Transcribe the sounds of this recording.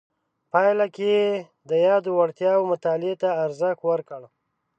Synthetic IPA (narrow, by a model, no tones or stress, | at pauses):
pɑjlake | d̪əjɑd̪owaɽt̪jɑwomʊt̪ɑlɪet̪aːɾzəxwəɾkəɽ